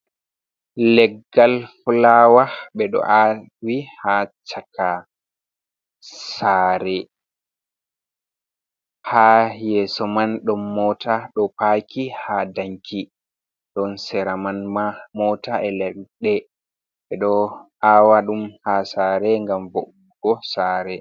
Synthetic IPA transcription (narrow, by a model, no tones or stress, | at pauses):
lɛɡːalfulawaɓɛɗɔ̰ʔa | wihat͡ʃaka | saɾɛ | hajɛsɔmanɗɔnːɔtʰaɗɔpakihadaŋkʰi | ɗɔnsɛɾamanmamɔtaʔɛlɛɗɗɛ | ɓɛɗɔ | awaɗumhasaːɾɛŋɡamvɔ | ɡɔsaːɾɛ